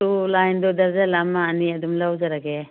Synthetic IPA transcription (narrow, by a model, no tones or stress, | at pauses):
ulajndɔdɐɾzalamaːniɐdumlawzaɾaɡe